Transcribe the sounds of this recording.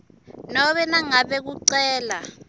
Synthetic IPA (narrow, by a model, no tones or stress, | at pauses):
nɔɓɛnaŋaɓɛk̬uǀɛːla